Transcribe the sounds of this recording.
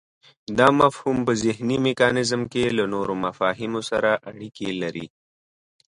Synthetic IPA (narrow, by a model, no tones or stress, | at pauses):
d̪ɑmafhumpəzɪɦnimekɑnɪzəmkelanoɾomafɑːɦɪmosaɾaʔaɽikelaɾḭ